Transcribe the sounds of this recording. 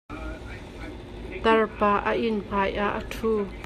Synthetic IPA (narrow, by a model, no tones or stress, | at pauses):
t̪ɐrpaːʔəʔinŋ̥aːjʔaʔːətʰu